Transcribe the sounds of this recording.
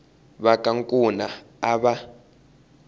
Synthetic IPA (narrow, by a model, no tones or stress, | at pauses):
ɓakʼaŋkʼuna | aɓa